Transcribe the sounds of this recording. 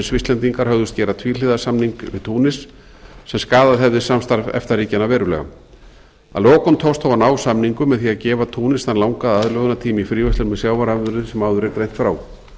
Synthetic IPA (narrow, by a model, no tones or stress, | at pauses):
svɪst̪lɛnt̪iŋkaɾ̥hɦœɣðʏst̪cɛːɾat̪ʰviːlɪðasamniŋkvɪ̰̥t̪ʰuːnɪsː | ɛmskaːðaðɦɛvðɪsamst̪aɾvɛ̰ft̪ariːcanavɛːɾʏlɛ̰ɣa̰ | a̰lɔːkɔnt̪ʰowst̪hɔwvanaːwsamniŋkʏmɛðθiaðcɛːvat̪ʰuːnɪsθanlawŋkaðaðlœɣʏnat̪ʰiːmɪifɾiːvœst̪ʏɾmɛðsjaːwvaɾaʏɾʏsɛmawðʏɾɛɾkɾejn̥t̪fɾaːw